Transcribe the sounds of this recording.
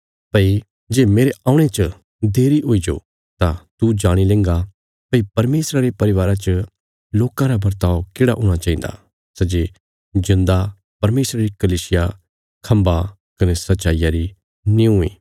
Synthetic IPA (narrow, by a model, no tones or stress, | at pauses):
pɐi | d͡ʒeːmeːɾeãːʊ̃ɽ̃et͡ʃə | d̪eːɾiɦoid͡ʒo̰ | t̪ãt̪ud͡ʒaːɽ̃ilẽːŋɡa | pɐipɐɾmeːsɾaɾepɐɾɪʋaːɾat͡ʃə | loːkãɾabɐɾt̪aːokeːɽaɦoːɽ̃at͡ʃãːĩnd̪a̰ | sɛd͡ʒe | zɪ̃nd̪a | pɐɾmeːsɾaɾikɐliːsɪja | kʰɐ̃mba | kɐnesɐtːʃaːijaɾi | nĩũĩː